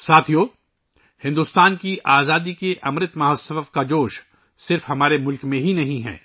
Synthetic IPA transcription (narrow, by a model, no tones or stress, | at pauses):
saːt̪ʰijoː | hɪ̃nd̪ust̪aːnkiʔaːzaːd̪ikeʔɐmɾɪt̪mɐɦɔsəfkad͡ʒoːʃ | sɪɾfɦɐmaːɾemʊlkmẽɦinɐɦĩɦɛ̰ː